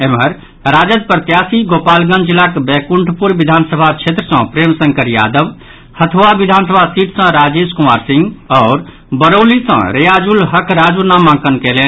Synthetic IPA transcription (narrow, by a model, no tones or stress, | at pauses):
emɦəɾ | ɾad͡ʒəd̪̚pɾət̪jasiɡopalɡə̃nd͡ʒilːakbɛkuɳʈʰpuɾbid̪ʱansəbʱat͡ʃʰet̪ɾəsə̃pɾemsəŋkəɾja̰d̪əb | hət̪ʰʋabid̪ʱansəbʱasiʈʰsə̃ɾad͡ʒeskumaɾsĩŋɡɔʊɾ | bəɾolisə̰̃ɾejad͡ʒulɦəkʰɾad͡ʒunamãŋkənkelen